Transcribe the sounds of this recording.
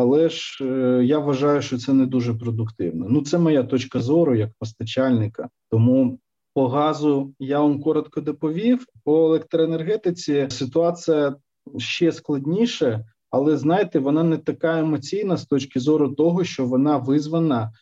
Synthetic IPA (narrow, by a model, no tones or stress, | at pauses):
ɐlˠɛʒjaʋʋɐʒɑjʊʃt͡ʃɔt̪sɛnɛd̪uʒɛpɾɔd̪ʊkt̪ɪ̰wnɛnut̪sɛmɔjat̪ɔt͡ʃkɐzɔɾʊjɐkpɔst̪ɐt͡ʃalʲnɪkɐt̪ɔmu | pɔɦɑzʊjaʋamkɔɾɔt̪kɔd̪ɔpɔʋʲiwpɔelˠɛk̚t̪ɾɔenerɦɛt̪ɪt͡sʲisɪt̪ʊɑt͡s̪ɨjɐ | ʃt͡ʃɛsklˠɐdʲnʲiʃɛ | ɐlˠɛznɑjɪt̪ɛʋɔnɑnɛt̪ɐkɑemɔt͡sʲijnɐst̪ɔt͡ʃkɪzɔɾʊt̪ɔɦɔʃt͡ʃɔʋɔnɑʋɪzʋɐnɐ